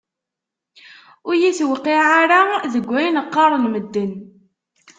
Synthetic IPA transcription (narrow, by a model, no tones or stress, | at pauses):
ʊɾjiθwəqːiʕaɾaðəɡʷːæjnəqːɑɾˤənməd̪ːən